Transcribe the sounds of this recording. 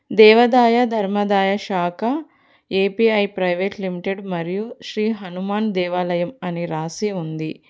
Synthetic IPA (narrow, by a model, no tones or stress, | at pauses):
d̪ɛːʋɐd̪aːjɐd̪ʱɐɾmɐd̪aːjɐʃaːkʰɐ | eːpiɐjpɾɐjʋeːʈlimiʈeɖmɐɾijuʃɾiːɦɐnumaːnd̪ɛːʋaːlɐjɐmɐniɾaːsiund̪i